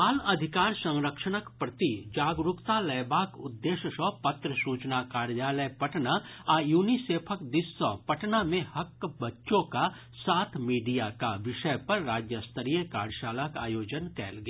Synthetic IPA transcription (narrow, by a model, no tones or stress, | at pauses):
aːlɐd̪ʱɪkaːɾsə̃ŋɾəkʃənəkpɾɐt̪id͡ʒaːɡɾʊkt̪alɛːbaːkʊd̪ːeːʃəsɔɦpɐt̪ɾəsuːt͡ʃnakaːɾjaːləjpɐʈnaajuːniseːpʰəkd̪ɪsːɔɦpɐʈnamẽhɐkːbɐtːʃõka | saːt̪ʰmiːɖijakaʋɪʃəjpɐɾːaːd͡ʒjəst̪ʰəɾijẽka̰ːɖʃaːlakaːjoːd͡ʒənkɛ̰ːlɡaː